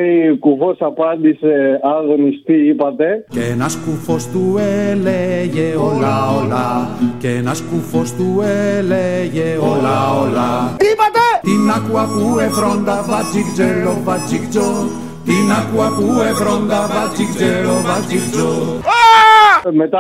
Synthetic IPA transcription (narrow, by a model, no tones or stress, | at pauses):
ikufosapand̪iseaðonist̪iipat̪ekenaskufost̪ueleʝeolaolakenaskufost̪ueleʝeolaolaipat̪et̪inakuakuefɾond̪afat͡sikd͡ʒelofat͡ʃikt͡ʃo | t̪inakuakuefɾond̪afat͡sikzelovat͡sikt͡ʃo | met̪